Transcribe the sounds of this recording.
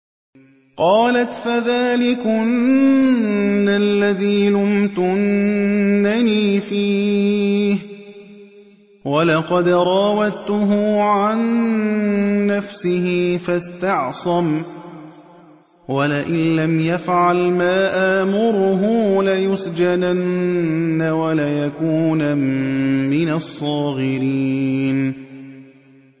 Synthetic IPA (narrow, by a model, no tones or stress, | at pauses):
qɑːlat̪faðaːlɪkʊnnː | alːaðiːlʊmt̪ʊnː | aniːfiː | h | walɑqɑd̪ɾˤɑːwad̪t̪ʊɦʊʕan | afsɪhɪfast̪ɑʕsˤɑm | walɪʔɪnlamjafʕalmaːʔaːmʊɾʊɦʊːlajʊsd͡ʒadanː | awalajakuːnaː | ɪnasˤːɑːɣɪɾiːn